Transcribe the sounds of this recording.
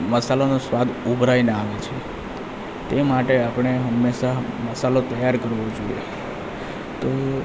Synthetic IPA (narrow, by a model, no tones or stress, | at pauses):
məsalonosʋad̪ubʱɾaineaʋet͡ʃʰe | t̪emaʈeapɳ̃eɦəmːeʃaməsalot̪əjaɾkəɾʋod͡ʒoijḛ | t̪o